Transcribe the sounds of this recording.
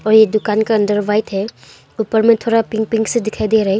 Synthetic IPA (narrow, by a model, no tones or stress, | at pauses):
ɔːɾjed̪ʊkaːnkaɐ̃nd̪əɾʋaːɪt̪ɦɛ | uːpəɾmẽt̪ʰoːɾapɪ̃ŋk̚pɪ̃ŋksed̪ɪkʰaːid̪eɾɐɦe